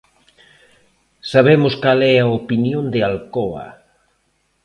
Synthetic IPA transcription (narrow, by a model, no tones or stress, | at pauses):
saβemʊskalɛaopinjõnd̪ealkɔa̰